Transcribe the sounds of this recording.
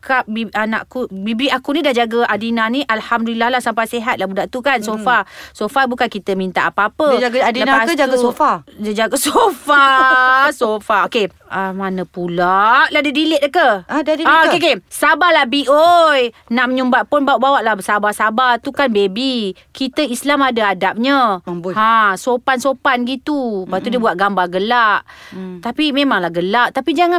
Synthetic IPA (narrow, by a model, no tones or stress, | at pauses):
kap̚biana̰ʔkubibiakunĩdahd͡ʒaɡəʔadinaniʔalhamdulilːalahsampajseɦat̪̚labudaʔt̪ukansofasofabukankit̪əmint̪a̰ʔapaapəɡləpasəd͡ʒaɡofad͡ʒaɡasofa | sofaoke | amanə̃pulaʔlahdidilɪʔ̚dəkəadadiaoekesabalahbiʔojnaʔməɲumbaʔ̪̚pʊnbaʔbawaʔlahbəsabasabat̪ukanbebi | kit̪əislamadaadap̚ɲəbuasopansopanɡit̪ubat̪udiəbuat̪ʔ̪̚ɡambaɡəlaʔt̪apimemaŋlahɡəlaʔt̪apid͡ʒaŋa